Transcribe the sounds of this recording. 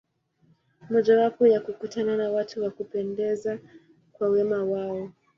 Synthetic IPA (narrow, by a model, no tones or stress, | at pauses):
mɔʄawapɔjakukutananawatuwakupɛndɛza | kwawɛmawaɔ